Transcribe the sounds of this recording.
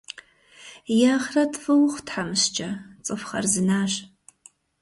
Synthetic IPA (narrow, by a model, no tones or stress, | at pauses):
jaːχrɐtʰfɨwχʷtħamɨɕt͡ʃʼɐt͡sʼɨfχɐ̰rzɨnaːɕ